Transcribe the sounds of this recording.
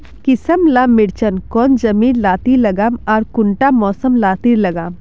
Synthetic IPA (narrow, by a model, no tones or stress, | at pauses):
kɪsəmlamːɪɽt͡ʃənkɔːnd͡ʒɐmiːnlaːt̪ilɐɡaːmɔːɾkʊɳʈamɔːsəmlaːt̪iɾlɐɡaːm